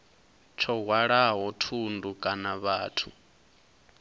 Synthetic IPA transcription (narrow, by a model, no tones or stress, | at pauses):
t͡ʃʰɔɦwaɺaɦɔtʰundukʼanaβaːtʰu